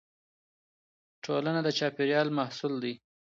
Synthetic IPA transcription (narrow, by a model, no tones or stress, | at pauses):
ʈʰolanad̪ət͡ʃɑpɪɾjɑlmahsuld̪i